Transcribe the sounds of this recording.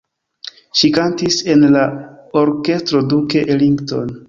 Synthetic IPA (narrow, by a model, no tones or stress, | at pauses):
ʃikantise̞nlao̞ɾke̞stɾo̞dukeʔeliŋɡto̞̰n